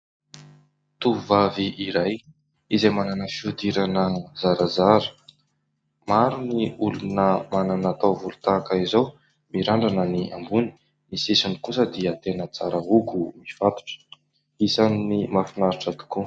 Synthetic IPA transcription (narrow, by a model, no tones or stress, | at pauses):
t̪uvaviʔiɾaj | izajmananəfiud̪iɾanəzaɾazaɾə̥ | maɾuniulunəmananat̪awvulut̪akəizow | miɾaɳɖ͡ʐanəniʔa̰mbuni̥ | misisunikusəd̪iat̪enət͡saɾəɦuɡumifat̪u̥ʈ͡ʂə̥ | isaninimafinaɾiʈ͡ʂət̪u̥ku